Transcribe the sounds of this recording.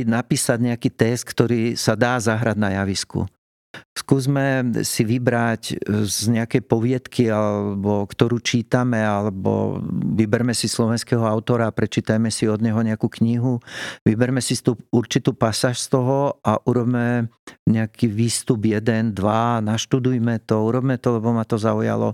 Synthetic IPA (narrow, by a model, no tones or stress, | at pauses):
napiːsaɟɲɛakiːt̪ɛst̪̚kt̪ɔɾiːsad̪aːzaɦɾaɟnajaʋiskṵ | skuːzmɛsiʋibɾaczɲɛakɛjpɔʋɪɛt̪kʰialɛɛbɔkt̪ɔɾuːt͡ʃiːt̪amɛalɛbɔ̰ʋibɛɾmɛsislɔʋɛnskɛɦɔaʊt̪ɔɾaːpɾɛt͡ʃiːt̪ajmɛsiɔd̪ɲɛɦɔɲɛakuːkɲiɦuʋibɛɾmɛsist̪uuɾt͡ʃit̪uːpasaːʃst̪ɔɦɔaʔuɾɔbmɛ | ɲɛakʰiʋiːst̪ubjɛd̪ɛnd̪ʋanaʃt̪ud̪ujmɛt̪ɔuɾɔbmɛt̪ɔlɛbɔmat̪ɔzauja̰lɔ̰